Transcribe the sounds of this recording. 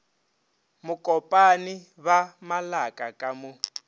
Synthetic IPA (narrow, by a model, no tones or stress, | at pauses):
mukʼɔpʼani | βamalakʼakʼamu